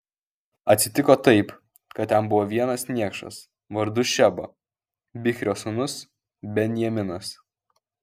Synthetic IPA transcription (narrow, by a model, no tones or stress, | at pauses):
ɐt̪ʲsʲɪt̪ʲɪkoːt̪ɐɪp | kɐt̪ːʲɛmbʊʋoːʋʲiɛnɐsnʲiɛkʃɐ̰s | ʋɐɾd̪ʊʃʲɛbo̰ | bʲɪxʲɾʲoːsʊnʊs | bʲɛnʲjɛmʲɪnɐs